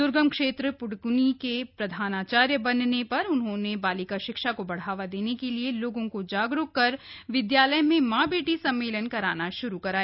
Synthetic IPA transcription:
d̪ʊɾɡəmkʃeːt̪ɾəpʊɽɡʊnikepɾɐd̪ʱaːnaːt͡ʃaːɾjəbɐnnepɐɾʊnɦõːnebaːlɪkaʃɪkʃakobɐɽ̤aːʋad̪eːnekelieloːɡõkod͡ʒaːɡɾʊkkɐɾ | ʋɪd̪jaːləjmẽmãːbeːʈisɐ̃mːeːlənkɐɾaːnaʃʊɾukɐɾaːe

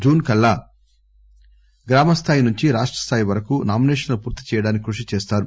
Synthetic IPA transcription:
d͡ʒuːnkɐlːa | ɡɾaːmɐst̪ʰaːjinuɲt͡ʃiɾaːʂʈɾɐ̥st̪ʰaːjiʋɐɾɐkunaːmineːʂɐnlupuːɾt̪i̥t͡ʃɛːjɐɽaːnikʲikɾuʂit͡ʃɛːst̪aːɾu

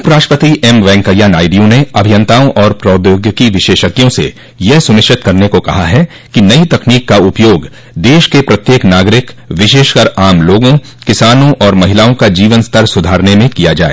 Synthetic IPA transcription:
ʊpɾaːʃʈəpət̪iɛmʋɛ̃ːŋkəjːanaːɪɖijõneɐbʱɪjɐ̃nt̪aːõʔɔːɾpɾɔːd̪joːɡjəkiʋɪʃeːʃəkjõsḛ | jɛɦsʊnɪʃɪt̪kɐɾnekokɐɦaɦɛ | kinɐit̪ɐkniːkːaʊpjoːɡ | d̪eːʃkepɾɐt̪jeːknaːɡɾɪkʋɪʃeːʃkəɾaːmloːɡõ | kɪsaːnõʔɔːɾmɐɦɪlaːõkad͡ʒiːʋənst̪ʰəɾsʊd̪ʱaːɾnemẽkijad͡ʒaːḛː

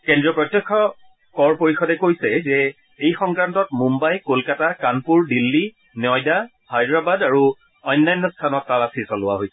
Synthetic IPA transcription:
kɛndɹiɔpɹɔtjɔkʰːɔ | kɔɹpoɹixɔdɛkojsɛzɛ | ejxɔŋkɹantɔtmumbajkolkatakanpuɹdilːi | njɔjda | hajdɹabadaɹu | ɔjnːajnːɔstʰanɔtːalasisalʊwa̰ɦojs

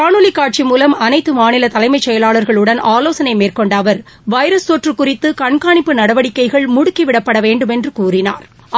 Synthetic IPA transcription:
aːɳʊlɪkːaːʈ̚t͡ʃimuːlɐmɐnɐɪt̪ːɯmaːnɪlɐt̪ɐlɐɪmɐɪt͡ʃːɛjɐlaːɭɐɾɣɐɭɯɽɐnaːloːsɐnɐɪmeːrkɔɳɖɐʋɐɾ | ʋɐɪɾɐst̪oʈrɯkʊrɪt̪ːɯkɐɳkaːɳɪpːɯnɐɽɐʋɐɽɪkːɐɪɣɐɭmʊɽʊkːiʋɪɽɐpːɐɽɐʋeːɳɖɯmɛndrɯkuːrɪna̰ːɾ

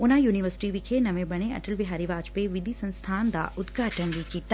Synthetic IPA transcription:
ʊnãjuːniʋəɾsɪ̥ʈiʋikʰenɐʋẽbɐɽ̃eɐ̰ʈəlbɪɦaːɾiʋaːt͡ʃpeʋɪd̪ʱisɐ̃nst̪ʰaːnd̪a̰ːʔʊd̪ɡaːʈənbʱikiːt̪a

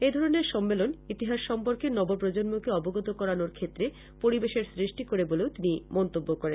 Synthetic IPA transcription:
ed̪ʱɔɾoneɾʃɔmːelonit̪iɦaʃʃɔmpoɾkeɾnɔbop̬ɾod͡ʑonmokeɔboɡot̪okɔɾanoɾkʰet̪ːɾe | poɾibeʃeɾsɾiʃʈikoɾeboleot̪inimɔnt̪obːokoɾen

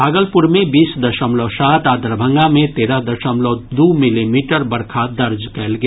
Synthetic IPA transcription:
bʱaːɡəlpʊɾmẽbiːsd̪ɐʃəmlɔsaːt̪aːd̪əɾbʱə̃ŋɡamẽt̪eːɾad̪ɐʃəmlɔd̪uːmɪlimiːʈəɾbɐɾkʰad̪ɐɾd͡ʒkɛːlɡe

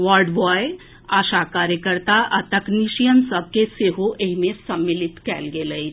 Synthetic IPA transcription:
ʋaɾɖʋɔːe | aːʃakaːɾjəkəɾt̪aʔɐt̪ɐkniʃijənsəb̚keseɦoʔeɦmẽsɐmːɪlɪt̪kɛlɡeləi

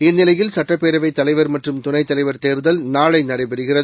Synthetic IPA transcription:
ɪnːɪlɐjɪlsɐʈːɐpːeːɾɐʋɐɪt̪ːɐlɐɪʋɐɾmɐʈrɯmt̪ʊnɐɪt̪ːɐlɐɪʋɐɾt̪eːɾðɐlnaːɭɐɪnɐɽɐɪpɐɽɯɣɪrɐð

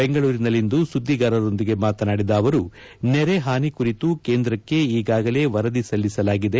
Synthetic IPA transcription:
beŋɡɐɭuːɾinɐlːind̪usud̪ʱːiɡaːɾɐɾo̞nd̪iɡe̞maːt̪ɐnaːɽid̪ɐːʋɐɾu | nɛɾe̞ɦaːnikuɾit̪uke̞ːnd̪ɾɐkːe̞iːɡaːɡɐle̞ʋɐɾɐd̪isɐlːisɐlaːɡid̪e

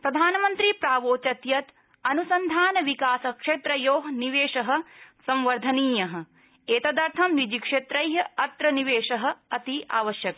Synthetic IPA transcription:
pɾɐd̪ʱaːnɐmɐnt̪ɾipɾaːʋoːt͡ʃɐt̪jɐt̪ | ɐnusɐnd̪ʱaːnɐʋikaːsɐkʂeːt̪ɾɐjoːɦɐniʋeːʂɐɦɐ̆sɐ̃mʋɐɾd̪ʱɐniːjɐɦɐ̆ | eːt̪ɐd̪ɐɾt̪ʰɐmnid͡ʒikʂeːt̪ɾɐjɦɐɐt̪ɾɐniʋeːʂɐɦɐ̆ɐt̪ia̰ːʋɐʃjɐk̚

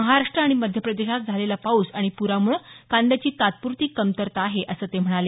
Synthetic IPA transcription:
əɦaɾaʂʈɾəːɽ̃iməd̪ʱjəpɾəd̪eɕat̪̚d͡zʱalelapauːsaɽ̃ipuɾamuːɭkand̪at͡ɕiːt̪at̪̚puɾt̪iːkːəmt̪əɾt̪aːɦeʔəsəːt̪em̤əɽ̃ale

